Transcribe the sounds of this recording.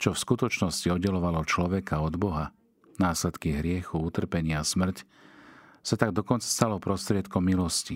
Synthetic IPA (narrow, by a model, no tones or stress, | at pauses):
t͡ʃɔfskut̪ɔt͡ʃnɔsciɔd̪̚ɟɛlɔʋalɔt͡ʃlɔʋɛkʰaɔd̪bɔɦa | naːslɛt̪kiɦɾɪɛxuut̪r̩pɛɲɪasmr̩c | sat̪aɡ̚d̪ɔkɔnt͡sḁst̪alɔpɾɔst̪ɾɪɛt̪kɔmːilɔsci